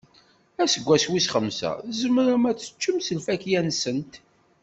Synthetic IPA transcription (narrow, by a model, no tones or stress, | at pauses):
æsəɡʷːæswisχəmsæ̰zəməɾəmæt͡sːə̥t͡ʃːəmsəlfækjænsənt̪